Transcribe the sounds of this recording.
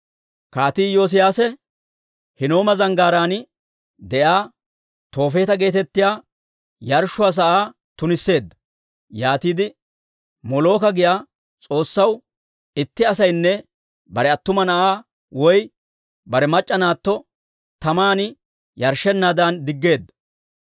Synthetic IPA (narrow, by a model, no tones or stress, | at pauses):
kaːt̪iːjo̞ːs̬ɪjaːsɛ | hɪno̞ːmɐzɐŋɡaːɾaːnɪ | d̪ɛʔaː | t̪o̞ːfe̞ːt̪ɐɡe̞ːt̪ɛt̪ːɪjaː | jɐɾʃːʊɐs̬ɐʔaː | t̪ʊnɪsːe̞ːd̪ːɐ̥ | jaːt̪iːd̪ɪ | mɔlo̞ːkɐɡɪjaː | t͡sʼo̞ːsːɐw | ɪt̪ːɪɐsɐjnːɛ | bɐɾɛɐt̪ːʊmɐnɐʔaː | wɔj | bɐɾɛmɐt͡ʃʼːɐnaːt̪ːɔ | t̪ɐmaːnɪ | jɐɾʃɛnːaːd̪and̪ɪɡːe̞ːd̪ːɐ̥